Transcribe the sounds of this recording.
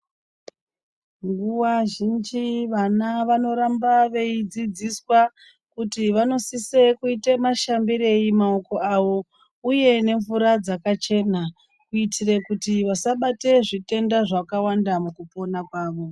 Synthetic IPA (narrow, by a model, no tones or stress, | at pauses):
ŋɡuwaʒind͡ʒiʋanaʋano̞ɾambaʋe̞id͡zid͡ziswa | kutiʋano̞sisekuitemaʃambiɾe̞jimao̞ko̞ʔaʋo̞ | uje̞ne̞ɱvuɾad͡zakat͡ʃe̞na | kuitʰire̞kutiʋasaɓate̞ʐite̞ndaʐakawandamukupo̞nakwaːʋo̞